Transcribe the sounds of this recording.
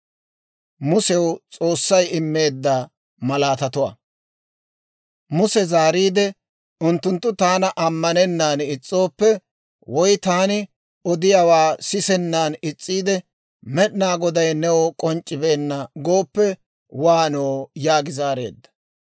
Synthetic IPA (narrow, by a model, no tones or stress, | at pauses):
mʊsɛwt͡sʼo̞ːsːɐjɪmːe̞ːd̪ːa | mɐlaːt̪ɐt̪ʊwɐ̰ | mʊsɛzaːɾiːd̪ɛ | ʊnt̪ːʊnt̪ːʊt̪aːnɐʔɐmːɐnɛnːaːnɪt͡sʼːo̞ːpːɛ | wɔjt̪aːnɪ | ɔd̪ɪjawaːsɪsɛnːaːnɪt͡sʼːiːd̪ɛ | mɛɗɪnaːɡɔd̪ɐjnɛwɔkʼɔnt͡ʃʼːɪbe̞ːnːɐɡo̞ːpːɛ | waːnoːjaːɡɪzaːɾe̞̰ːd̪ːɐ̥